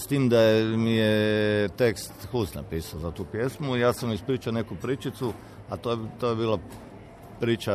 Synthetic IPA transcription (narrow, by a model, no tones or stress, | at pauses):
st̪iːmd̪ajemijet̪ekst̪xusna̰piːsaozat̪uːpje̞smuijaːsamispɾiːt͡ʃaone̞kupɾiːt͡ʃit̪su | at̪ot̪ojebiːlˠa | pɾiːt͡ʃa